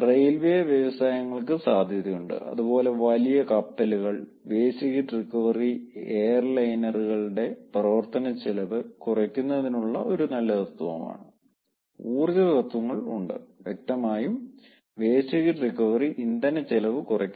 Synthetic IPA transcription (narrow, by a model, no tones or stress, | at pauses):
rejlʋeːʋjɐʋɐsaːjɐŋːɐɭkɨsaːd̪ʱjɐðijuɳɖɨ̰ɐ̰ðubo̞ːle̞ʋɐlijɐkɐpːɐluɣɐɭ | ʋeːsiɣiʈrikːɐʋɐrieːjɐrlɐjnɐruɣɐɭɽe̞prɐʋɐrt̪ʰɐnɐt͡ɕːelɐʋɨkurɐkʲːunːɐðinuɭːɐ̰ʔo̞ɾunɐlːɐtɐt̪ːuʋɐ̰ma̰ːɳɨ | uːriðɐtɐt̪ːuʋɐŋːɐɭṵɳɖɨ̰ʋjek̚t̪ɐmaːjum | ʋe̞ːsiɣiʈrikːɐʋɐriʔind̪ɐnɐt͡ɕːelɐʋɨkurɐkʲː